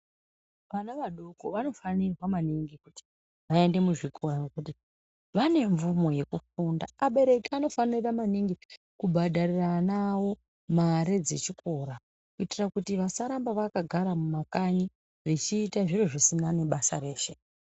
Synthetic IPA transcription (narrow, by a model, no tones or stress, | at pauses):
ʋanaʋaɗo̞ko̞ʋano̞fanirwamaniŋɡikuti̥ | ʋae̞nde̞muʐikʰo̞ɾaŋɡekuti | ʋane̞ɱvumo̞je̞kufunda̰ːɓe̞ɾe̞kiano̞faniramaniŋɡi | kubʱaɗʱariranawo̞ | maɾe̞d͡ze̞t͡ʃiko̞ɾa | kuitirakutiʋasaɾambaʋakaɡʱaɾamumakaɲi | rit͡ʃiːtaʐiroʐisinane̞ɓasaɾe̞ːʃe̞